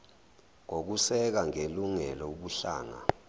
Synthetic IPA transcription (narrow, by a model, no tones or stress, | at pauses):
ŋok̬usɛk̬aŋeluŋɛlɔuɓuɬa̰ːŋa̰